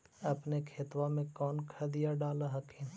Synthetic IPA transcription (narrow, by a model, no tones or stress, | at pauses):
ɐpnekʰeːt̪ʋamẽkɔːnkʰɐd̪ijaɖaːlaɦɐkʰẽː